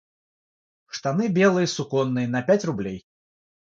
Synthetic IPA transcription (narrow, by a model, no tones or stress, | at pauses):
ʂt̪anɨbʲɛlˠɨjɐsukɔnːɨjɐnɐpʲat͡sʲrublʲɛj